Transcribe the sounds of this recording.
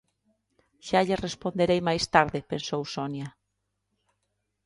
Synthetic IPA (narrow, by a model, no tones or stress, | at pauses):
ʃaʎerespond̪eɾejmajst̪aɾðɪpensowsonja